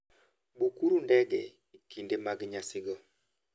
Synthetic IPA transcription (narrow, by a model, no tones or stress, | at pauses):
bukuɾundɛɡɛ | ikindemaɡɲasɪɡɔ